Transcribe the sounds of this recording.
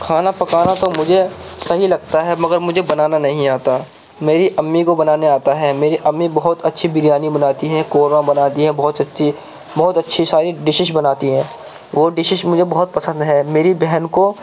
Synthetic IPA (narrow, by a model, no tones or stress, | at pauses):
kʰaːnapɐkaːnat̪omʊd͡ʒʱesɐɦilɐɡt̪aɦɛmɐɡəɾmʊd͡ʒʱebɐnaːnanɐɦĩaːt̪a | meːɾiʔɐmːikobɐnaːneaːt̪aɦɛmeːɾiʔɐmːibɐɦʊt̪ɐtːʃʰibɪɾjaːnibɐnaːt̪iɦɛ̃koːɾʋãbɐnaːt̪iɦɛ̃bɔɦʊt̪ɐtːʃi | bɔɦʊt̪ɐtːʃʰisaːɾiɖɪʃɪʃbɐnaːt̪iɦɛ̃ː | ʋoɖɪʃɪʃmʊd͡ʒʱebɐɦʊt̪̚pɐsə̃nd̪ɦɛːmeːɾibɛɦɛnko